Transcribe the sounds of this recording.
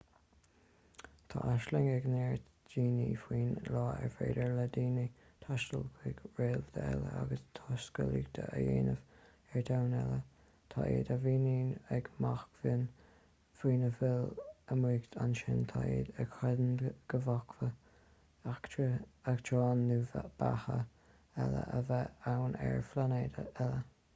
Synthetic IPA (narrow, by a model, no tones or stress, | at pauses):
t̪ʰaʔaʃlɪŋɛɡnɛːɹ | d͡ʒiːnifɹiːnlɑːɛ̰ɹfeːdəɹləd̪iːnit̪ʰaʃtəlɡʰɪɡɹeːlvd̪əɛləaɡəst̪ʰɑːskəliɡd̪ʰəʔəjeːnəv̥ | ɛɹd̪awnɛlə | t̪ʰɑːʔḛːd̪əviːniːnɛɡmaxkvɪn | fɾiːnəvɪləmɹiːkt̪ʰanʃɪnt̪ʰɑeːd̪əɡkʰɛd̪ənɡ̥əvɔkvə | akəaktʰɹɑːnːuvab̥ahə | ɛlə̰ʔəvɛawnʔɛɹflaneːd̪əɛlə